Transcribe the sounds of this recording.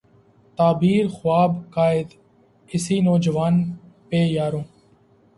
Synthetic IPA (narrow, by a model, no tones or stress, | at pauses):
t̪aːbiːɾxʊaːbkaːɪd̪ | ɪsiːnoːd͡ʒəʋaːnpeːjaːɾõː